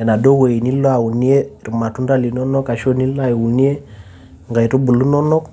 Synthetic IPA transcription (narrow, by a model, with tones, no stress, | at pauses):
ɛ˨na˨do˦we˨i˨ni˦lo˦a˨wu˨ni˦e˦ɾu˨ma˨tu˦nda˦li˨nɔ˦nɔ˦ka˨ʃo˦ni˦la˦˨i˨wu˨ni˦e˦ | ŋɡa˨i˨tu˦bu˨lu˦nɔ˦nɔ˦k